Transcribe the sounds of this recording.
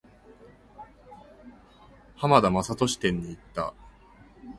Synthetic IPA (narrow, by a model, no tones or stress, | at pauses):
hamad̪amasat̪o̞ɕi̥t̪ẽ̞ɲ̟ːiːt̪ːa̰